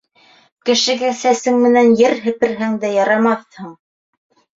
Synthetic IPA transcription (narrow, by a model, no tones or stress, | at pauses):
kɘ̆ʃɘ̆ɡæsæsɘŋmɘ̆nænjɘɾɦɘ̆pɘ̆ɾɦæŋd̪æjɑɾɑmɑθhɤɴ